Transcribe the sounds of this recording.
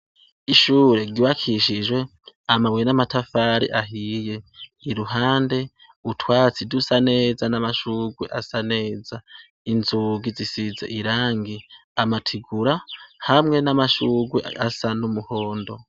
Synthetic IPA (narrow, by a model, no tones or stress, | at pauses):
iʃuːɾe̞ɾɟiwakʰiʃid͡ʒwe̞amawenamatafaɾḭʔaɦije̞iɾuɦaːnde̞ | utʰwaːt͡sidusane̞ːzanamaʃuːɡwe̞̰ʔasane̞ːza | inzuɡizisizḛʔiɾaːŋɡiamatʰiɡuɾahamŋe̞namaʃuːɡwḛasanumuhoːndo̞